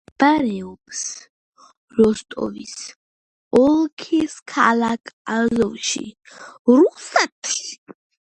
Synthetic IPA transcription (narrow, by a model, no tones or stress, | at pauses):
b̥aɾɛɔps | ɾɔst̪ʼɔ̰vḭs | ɔlkʰiskʰalakʼazɔvʃḭ | ɾusɛt̪ʰ